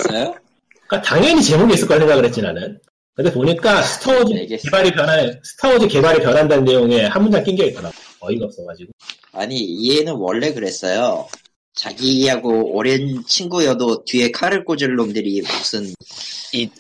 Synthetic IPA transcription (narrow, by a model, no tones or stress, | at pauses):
s͈ʌjo | k͈ataŋjʌɲit͡ɕe̞moɡiis͈ɯɭk͈ʌɭsʰeŋɡaɡɯɭhet̚t͡ɕ͈inanɯn | kɯndepoɲik͈asʰɯ̥tʰʌod͡ʑieɡeebaɾipjʌnasʰɯ̥tʰʌod͡ʑike̞baɾipjʌnɦandanːe̞joŋe̞hamːund͡ʑaŋk͈inɡeit͈̚ʌɾaɡoʌiɡʌp̚s͈ʌkad͡ʑiɡo | aɲiːe̞nɯnwʌ̰ɭːe̞kɯɾes͈ʌjo̰ | t͡ɕaɡiɦaɡooɾjɯnt͡ɕʰinɡujʌdotie̞kʰaɾɯɭk͈od͡ʑɯɭːomdɯɾimus͈ʰɯn